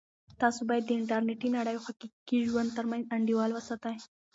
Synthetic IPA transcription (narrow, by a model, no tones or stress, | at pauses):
t̪ɑsobɑjad̪ːəɪɳʈaɾneʈinaɽəjoxakikiʒwand̪t̪əɾmanzaɳɖiwɑlwəsɑt̪aj